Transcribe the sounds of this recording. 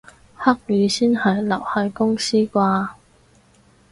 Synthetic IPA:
hɐ˥k̚jyː˨˧siː˥nhɐ˨jlɐ˨˩whɐ˨˧˥jkʊ˥ŋsiː˥kʷaː˧

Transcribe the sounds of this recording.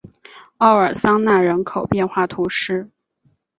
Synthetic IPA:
ɑ˥˩ʊə˞˨˩sɑ˥ŋna˥˩ɻə˧˥nkʰo˨˩ʊpjɛ˥˧nxwa˥˩t̪ʰu˧˥ʂɻ̩˥

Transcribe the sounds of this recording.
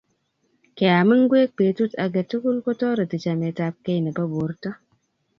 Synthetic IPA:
ke˨a˨mɨ˦ŋ˦ɡwe˦k̚pe˨tu˦ta˨ɡe˨tu˦ku˦lko˦tɔ˦ɾə˨ti˨t͡ʃa˨me˨ta˦p̚ke˦jna˨ba˦bo˨ɾta˦

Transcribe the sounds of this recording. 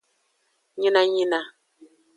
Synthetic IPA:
ɲi˦na˦ɲi˦na˦

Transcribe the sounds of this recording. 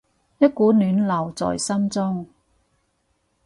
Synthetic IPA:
jɐ˥t̚kuː˨˥nyː˨˥nlɐ˨˩wt͡sɔ̰ː˨jsɐ˥mt͡sɔ˥ŋ

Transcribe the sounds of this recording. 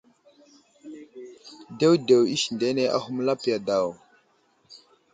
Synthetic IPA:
de˦wde˨wi˦ʃnde˨˦ne˦ʔa̰˦ɦu˦mla˦pja˨da˨w

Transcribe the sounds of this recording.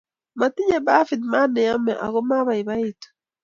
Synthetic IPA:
ma˨t̪ɪ˦ɲe˨ba˦fi˨d̪ma˦nɪ˨ja˦mɛ˨ʔa̰˨ɡɔ˦ma˦βa˨ɪ˨ba˦i˦to̥˨

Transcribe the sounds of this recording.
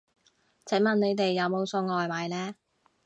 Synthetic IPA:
t͡sʰɛ˨˥mɐ˨nne˨˧jt̪e˨jːɐ˨˧wmo˨˧wso˧ŋɔː˨jmaː˨˥jlɛː˥

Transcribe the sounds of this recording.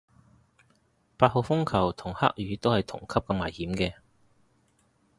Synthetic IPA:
paː˧t̚ho˨˧fʊ˥ŋkʰɐ˨˩wt̪ʰʊ˨˩ŋha̰ː˥k̚jyː˨˧t̪o˥whɐ˨jt̪ʰʊ̰˨˩ŋkʰɐ˥p̚kɐ˧maː˨˩jhiː˨˥mkɛː˧

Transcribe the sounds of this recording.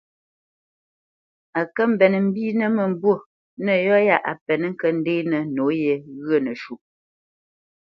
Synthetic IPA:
a˨kə˦m̩˨bɛ˨n˨m̩˦biː˦nə˦˨mə˨m˨bwo˦ | nə˨jɔ˦ja˦ʔa̰˨pɛ˨n˦ŋ̩˦kə˦n̩˦de˦nə˨no˨˦je˨ɣə˦˨nə˨ʃu˨ʔ̚

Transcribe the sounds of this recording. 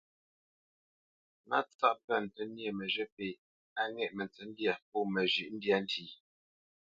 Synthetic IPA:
na˦t͡sa˦ʔpə˦˨n̩˨tə˨˦nje˨mə˨ʒə˦pe˨ | a˦ŋɛ˦ʔmə˨n˨t͡sə˨˦n˦dja˦˨p̚ɔ˦˨mə˨ʒʉ˨ʔn̩˦dja˦n̩˦ti˨

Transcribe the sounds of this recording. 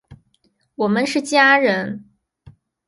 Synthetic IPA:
wɔ˨˩mə˦nʂɻ̩˥˩t͡ɕja˥ɻə˧˥n

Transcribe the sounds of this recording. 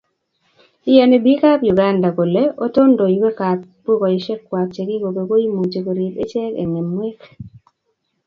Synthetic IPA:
i˦je˨ne˨bi˦ka˦pju˨ɡa˦nda˨ko˨le˦o˦to˦ndo˨jwe˦ka˨pbu˦kɔ˨i˨ʃe˦kːwa˨p̚t͡ʃe˨ki˦ko˨ke˨ko˦i˦mu˨t͡ʃe˨ko˨ɾi˨pe˦t͡ʃɛ˦kḛ˨ŋe˨mwe˦k

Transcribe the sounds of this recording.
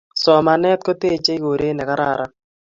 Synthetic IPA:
sɔ˨ma˨nɛ˦t̪̚ko˦t̪e˦t͡ʃe˦i˦ko˨ɾe˦nɛ˨ka˦ɾa̰˨ɾʔa˦

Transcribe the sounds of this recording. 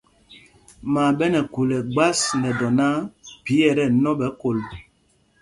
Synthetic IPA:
ma˨bɛ˦nɛ˨ku˨lɛ˨ɡ͡ba˦snɛ˨dɔ˨na˦pi˨˦jɛ˨ɾɛ˦˨nɔ˦bɛ˨˦ko˨l

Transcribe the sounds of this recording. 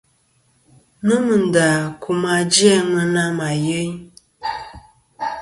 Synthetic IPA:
nə˦mɨ˨n̩˨da˨kʰu˦ma˦d͡ʒjɛ˦ŋə˦na˦ma˨jə˦ɲ˦

